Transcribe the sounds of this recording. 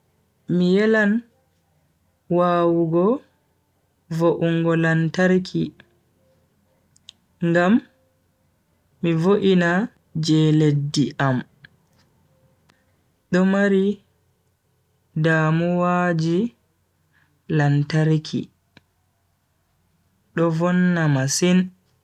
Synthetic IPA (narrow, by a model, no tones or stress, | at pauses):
mijɛlan | waːwuɡɔ | voʔuŋɡɔlantaɾkʰi | ŋɡam | ivoʔina | d͡ʒɛledːiʔam | ɗɔmaɾi | daːmuwaːd͡ʒi | lantaɾkʰḭ | ɗɔvɔnːamasin